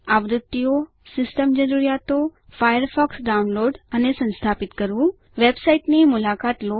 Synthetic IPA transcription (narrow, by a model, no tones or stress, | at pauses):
aʋɾut̪ːijo | sɪsʈəmd͡ʒəɾuɾjat̪o | fajəɾfɔksɖaunloɖənesə̃nst̪ʰapit̪kəɾʋũ | ʋebsaiʈnemulakat̪lo